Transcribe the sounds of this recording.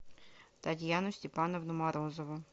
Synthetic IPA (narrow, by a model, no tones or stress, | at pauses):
t̪atʲjanʊsʲtʲɪpanovnʊmaɾozɔvʊ